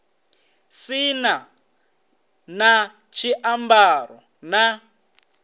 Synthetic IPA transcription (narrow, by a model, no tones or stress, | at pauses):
sina | na | t͡ʃʰiʔambaɾɔ | na